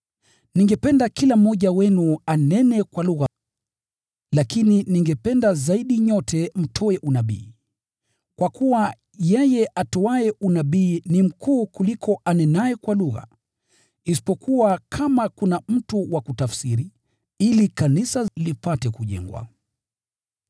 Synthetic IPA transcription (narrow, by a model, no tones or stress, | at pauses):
niŋɡɛpɛndakilam̩ːɔʄawɛnuanɛnɛkwaluɣa | lakininiŋɡɛpɛndazaiɗiɲɔtʰɛm̩tʰɔɛʔunaɓḭː | kwakuwa | jɛjɛʔatɔaɛunaɓiːnim̩kʰuːkulikʰɔʔanɛnaɛkwaluɣa̰ | isi̥pɔkuwakʰamakunam̩tuwakutafsiɾi | ilikanisalipatɛkuʄɛ̰ŋɡwa̰